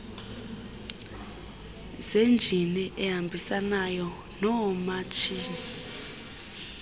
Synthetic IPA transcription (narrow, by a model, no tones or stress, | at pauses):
z̥end͡ʒʱiniʔɛɦambʱisanajɔ | nɔmat͡ʃʰiːni